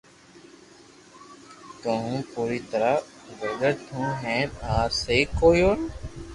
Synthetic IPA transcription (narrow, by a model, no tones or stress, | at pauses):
t̪õɦũːpuːɾiːt̪əɾaː | ɡəɾɡəɾt̪ʰũːɦẽːnaːɾseːkoːjoːn